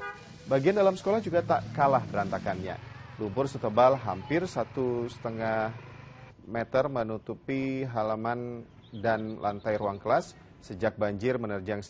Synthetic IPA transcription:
baɡiandalamsə̥kolahd͡ʒuɡat̪akalahpəɾant̪akanɲa̰lumpʊrsət̪əbalɦampɪrsat̪usə̥t̪əŋah | mɛt̪ərmənut̪upiɦalaman | danlʔa̰nt̪ajɾuaŋkəlasː | əd͡ʒak̚baɲd͡ʒɪrmənərd͡ʒaŋ

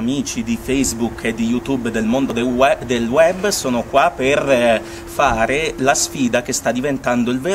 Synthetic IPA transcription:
miːt͡ʃid̪ifejzbukʰːed̪ijut̪ubːd̪elmond̪od̪elwɛbːsoːnokwapːer | faːɾelasfiːd̪ak̟est̪ad̪ːivent̪and̪oilve

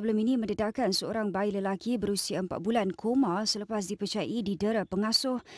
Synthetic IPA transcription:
əbəlʊminĩmə̃ndədakansəoɾaŋbailəlakibəɾusiaəmpa̰t̪̚bulankʰomãsələpas̬dipət͡ʃaja̰ʔididəɾəpəŋasʊh

